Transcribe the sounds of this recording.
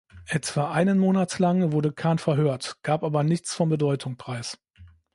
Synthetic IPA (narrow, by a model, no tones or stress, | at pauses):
ʔɛtv̥aːʔaɪnənmoːnatlaŋvʊɐdəkʰaːnfɛɐɦøːɐtɡ̥aːpʔaːbɐnɪçt͡sfɔnbədɔʏtʰʊŋpʁ̥aɪs